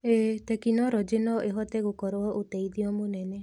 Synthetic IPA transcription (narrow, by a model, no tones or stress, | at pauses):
et̪ekinɔɾɔd͡ʒenɔʔeɦɔt̪eɡukɔɾɔɔʔut̪eid̪iɔmũnɛne